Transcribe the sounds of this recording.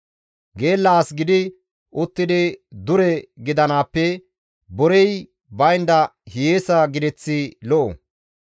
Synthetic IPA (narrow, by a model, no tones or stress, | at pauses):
ɡeːlːaːsɡɪd̪ɪ | ʔʊt̪ːɪd̪ɪd̪ʊɾɛɡɪd̪ɐnaːpːɛ | bɔɾɛj | bɐjnd̪ɐhjeːsɐɡɪd̪ɛt͡sːɪlɔʔɔ̰